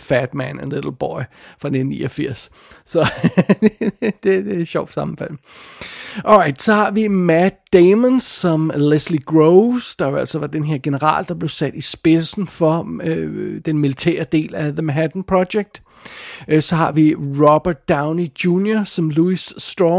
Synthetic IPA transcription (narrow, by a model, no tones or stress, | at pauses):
fæd̥mænænledl̩ˠb̥ɒɪfʁɑ̈ned̥n̩ːḭːʔɒfiɐ̰s | sɒ̥̽ | d̥e̝d̥e̝̥ɕɒʊ̰d̥sɑ̈mn̩fæl̰ | ʔɒʁɑ̈ɪd̥sɒ̽hɑ̈ʋimæd̥emənsːɒ̽mlesliɡ̥ʁoʊsd̥ɑ̈joæl̰sɒʋɑ̈d̥enɦe̝ɐ̰ɡ̥e̝nəʁɑ̰̈ːld̥ɑ̈b̥le̝ʊsæd̥isb̥e̝sn̩fɒ̽ød̥enmilit͡sʰɛ̰ːɐd̥e̝̰ːlæðəmæɦæd̥n̩pʰʁɒɕeɡ̥̚d̥ | sɒ̽hɑ̈ʋiʁɒb̥ɐdd̥aɑ̈ʊnid̥juːnjɐsɒ̽mluisːd̥ʁɔ